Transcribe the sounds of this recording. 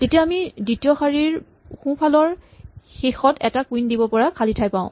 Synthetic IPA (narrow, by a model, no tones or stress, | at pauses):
tetijaːmiditijɔxaɹiɹ | xũpʰalɔɹxexɔtɛtakwindibɔpɔɹakʰalitʰajpãʊ̃